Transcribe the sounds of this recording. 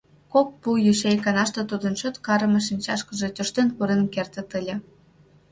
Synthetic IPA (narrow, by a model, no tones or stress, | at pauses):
kok̚pujyʃejkɑnɑʃt̪ĕt̪ud̪ənt͡ɕot̪kɑɾəmĕʃinʲt͡ɕɑʃkə̆ʒe̽t̪ʲoʃt̪enkuɾenkert̪ə̆t̪əlʲĕ